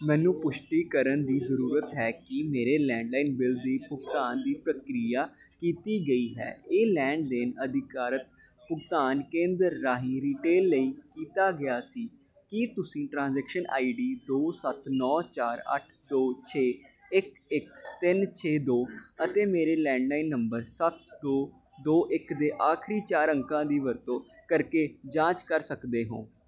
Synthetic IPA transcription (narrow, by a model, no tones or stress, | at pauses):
mɛ̃ːnũːpʊʃʈiːkəɾənd̪iːzəɾuːɾət̪ɦɛːkɪmeːɾeːlɛ̃ːɳɖlaːiːnbɪld̪iːpʊɡt̪aːnd̪iːpɾəkɾijaːkiːt̪iːɡəiːɦɛ̰ːeːlɛ̃ːɳɖ̚d̪enəd̪ɪkaːɾət̪̚ | pʊɡt̪aːnkẽːnd̪əɾːaːɦĩːɾiːʈeːlːəiːkiːt̪aːɡɪjaːsiː | kɪt̪ʊsĩːʈɾãːnzɛːkʃənʔa̰ːiːɖiːd̪oːsət̪nɔːt͡ʃaːɾə̰ʈʰd̪oːt͡ʃʰeː | ɪk | ɪkt̪ɪnt͡ʃʰeːd̪oːət̪eːmeːɾeːlɛ̃ːɳɖaːinːəmbəɾsət̪̚d̪oː | d̪oːʔɪkd̪eːʔaːkʰɾiːt͡ʃaːɾəŋkãːd̪iːʋəɾt̪õːkəɾkeːd͡ʒãːt͡ʃkəɾsəkd̪eːɦõ̰ː